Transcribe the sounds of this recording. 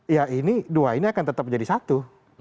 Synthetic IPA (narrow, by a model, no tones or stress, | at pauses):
jainiduainiakant̪ət̪ap̚d͡ʒadisat̪u